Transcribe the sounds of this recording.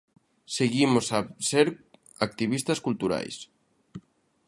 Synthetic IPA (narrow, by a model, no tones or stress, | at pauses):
seɣimosaseɾ | ak̚t̪iβist̪askult̪uɾa̰js